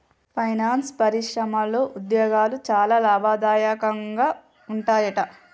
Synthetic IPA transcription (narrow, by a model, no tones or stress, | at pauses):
pʰɐjnaːnspɐɾiʂɾɐmɐlːo̞ːʔud̪jɔːɡaːlut͡ʃaːlaːlaːbʱaːd̪aːjakɐŋɡaː | uɳʈaːjɐʈɐ